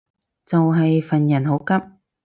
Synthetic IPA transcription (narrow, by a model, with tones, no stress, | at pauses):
t͡sɐ˨wɦɐ˨jfɐ˨njɐ˨˩nho˨˥wkɐ˥p̚